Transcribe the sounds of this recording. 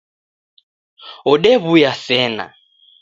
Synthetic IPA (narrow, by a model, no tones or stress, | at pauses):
ɔɗɛβujasɛna̰